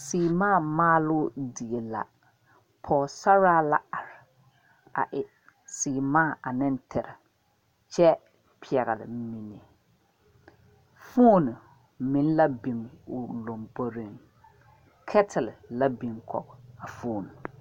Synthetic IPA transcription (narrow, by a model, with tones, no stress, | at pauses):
siː˨maː˦˨maː˦lʊ˦di˨e˨la̰˨ | pʰɔː˨sa˦ɾaː˦la̰˦a˨ɾɪ˨ | a̰˨ʔɪ˨ | siː˨maː˦˨ʔa˨nɪ˦n˦tʰɪ˨ɾɪ˨ | t͡ʃɛ˦ | pʰi˨ɛ˨ɣɪ˨lɪ̰˨mi˨ni˨ | fuː˦n˨ | mɪ˨n˦la˦bi˨ŋʊ˨lo˨mbo˦ɾi˦˨ŋ | kʰɛ˦tʰɪ˨lla˦bi˨ŋkʰɔ̰˨ɡɔ˨a˨foː˦˨n˨